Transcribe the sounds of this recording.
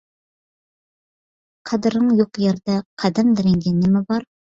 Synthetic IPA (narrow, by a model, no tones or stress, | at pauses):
qʰɑd̪ɤ̆ɾɤɴjuqjeɾd̪æqʰɑd̪ɘmd̪ɘ̆ɾæŋɡʲænɘmɘbɑɾ